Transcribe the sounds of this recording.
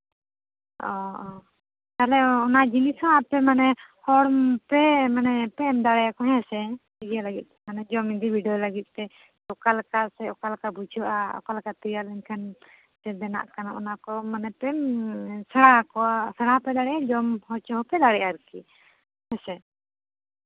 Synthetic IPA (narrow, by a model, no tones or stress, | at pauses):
ɔ | t̪alɛɔnaʔd͡ʒinisɔapɛmanɛhɔɽmpɛmanɛpɛmd̪aɽɛjakɔɦɛ̃sɛ | ɛɡijalaɡit̪̚ˀːɛmanɛd͡ʒɔmid̪ibʱiɖijɔlaɡit̪̚ˀt̪ɛ | ɔkalkasɛɔkalkabud͡ʒʰʱuʔaɔ̰kalkat̪ijalɛɲkʰan | t̪ɛd̪ɛna̰ʔkana̰ʔɔ̰nakɔmanɛpɛmsəɽakɔwasəɽapɛd̪aɽɛjad͡ʒɔmhɔt͡ʃɔɦɔpɛd̪aɽɛʔaɾki | hɛ̃sɛ